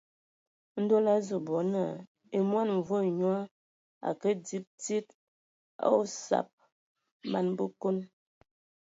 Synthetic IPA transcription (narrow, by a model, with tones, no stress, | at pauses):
n̩˦do˦la˦zu˨bɔ˨˦nə˨ | e˨mwa˦nɱ˨vo˦˨ɲw | a̰˨kə˦di˦p̚ti˦t̚ | a̰˦o˦sa̰˨p̚ | ma˨nbə˦ko˦n